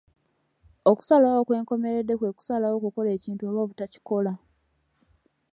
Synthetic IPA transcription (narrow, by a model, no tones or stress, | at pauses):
o̞ku̥salaokwe̞ːŋko̞me̞ɾe̞dːe̞kwe̞ːku̥salawokuko̞le̞ːciːntuoβoβutaci̥ko̞la